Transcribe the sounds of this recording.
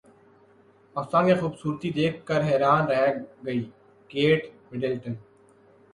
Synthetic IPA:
ɐsãːnkĩxuːbsuːɾt̪id̪eːkʰːəɾɦɛːɾaːnɾɛɦɡəiː | keːʈmɪɖəlʈən

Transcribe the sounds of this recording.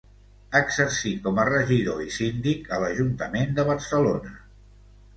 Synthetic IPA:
əɡzəɾsikɔmərəʒiðoisind̪ikələʒunt̪əmend̪əβ̞ərsəlonə

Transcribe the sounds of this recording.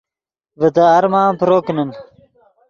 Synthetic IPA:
vət̪aːɾmaːmpɾoːknɐn

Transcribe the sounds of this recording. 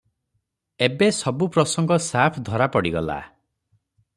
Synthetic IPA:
ebesɔbupɾɔsɔŋɡɔsapʰd̪ʱɔɾapɔɽiɡɔla̰

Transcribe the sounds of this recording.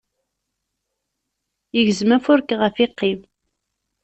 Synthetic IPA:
jəʝəzmæfʊɾkʁəfiqːim

